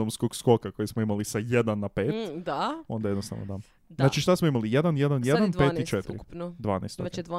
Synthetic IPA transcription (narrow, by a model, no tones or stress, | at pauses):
omskoɡsko̞kako̞jesmoimalisajed̪anːapeːt̪d̪ao̞nd̪ajenost̪a̰ʋno̰d̪a | znaːt͡ʃiʃt̪asmoimalijed̪anjed̪anjedd̪anpeːt̪it͡ʃet̪ḭɾind̪ʋa̰ːnḛːst̪od̪